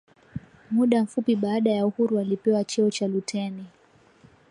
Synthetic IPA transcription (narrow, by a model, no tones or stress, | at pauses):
muɗam̩fupiɓaːɗajauhuɾualipɛwat͡ʃɛɔt͡ʃalutʰɛni